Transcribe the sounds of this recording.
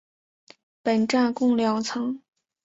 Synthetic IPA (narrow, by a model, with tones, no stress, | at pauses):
pə˨˩nʈ͡ʂa˥˩nkʊ˥˩ŋljɑ˧˥ŋt͡sʰɤ˧˥ŋ